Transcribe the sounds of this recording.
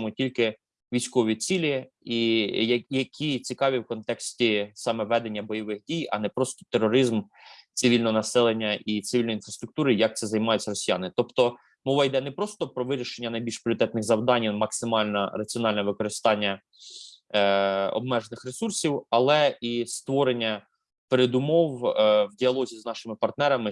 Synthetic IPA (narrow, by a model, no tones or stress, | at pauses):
mʊtʲilʲkɪ | ʋʲijsʲkɔʋʲit͡sʲilʲi | ijɐjɐkʲʰit͡sʲikɑʋʲiwkɔnt̪ɛksʲtʲisɑmɛʋɛd̪enʲːɐbɔjɔʋɪxdʲijɐ̰nɛpɾɔst̪ɔ̥t̪erɔɾɪzmt̪sɪʋʲilʲnɔɦɔnɐsɛlˠenʲːɐʔit̪sɪʋʲilʲnjinfɾɐst̪ɾʊk̚t̪uɾɪjɐk̚t̪sɛzɐjmɑjʊtt͡sʲːɐɾɔsʲijɑnɪt̪ɔpt̪ɔ | mɔʋɐjd̪ɛnɛpɾɔst̪ɔpɾɔʋɪɾʲiʃenʲːɐnɐjbʲilʲʃpʲɾʲɔɾɪt̪ɛt̪nɪɣzɐwd̪ɑnʲmɐksɪmɑlʲnɐ̰ɾɐt͡sʲiɔnɑlʲnɛʋɪkɔɾɪst̪ɑnʲːɐ | ɔ̰b̚mɛʒenɪxɾesursʲiwɐlˠɛist̪ʋɔɾenʲːɐ | peɾed̪ʊmɔwwdʲiɐlˠɔzʲiznɑʃɪmɪpɐrt̪nɛɾɐmɪ